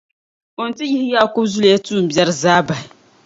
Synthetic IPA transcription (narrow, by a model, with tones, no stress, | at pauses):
o˨n̩˨tɪ˦jɪ˦hɪ˦jaː˦˨kʊ˦bzʊ˦ljɛ˦tuː˦m̩˨bjɛ˦ɾɨ˦zaː˦ba˨